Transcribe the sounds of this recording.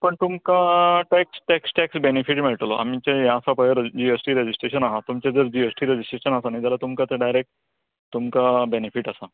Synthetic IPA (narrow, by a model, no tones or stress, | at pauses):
pəɳt̪umkaʈɛksʈɛksʈɛksbenefiʈmiɭʈloʔa̰mit͡ɕejaːsapajɾd͡ʑiesʈiːɾed͡ʑisʈɾeɕənaɦat̪umt͡ɕed͡zəɾd͡ʑiesʈiːɾed͡ʑisʈɾeɕənasanãd͡ʑ̪alat̪umkat̪eɖajɾek̚ʈ | t̪umkabenefiːʈasa